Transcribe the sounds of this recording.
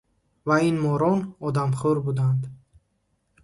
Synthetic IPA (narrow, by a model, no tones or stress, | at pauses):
vainmɔɾɔnɔd̪amχɔɾbud̪and̪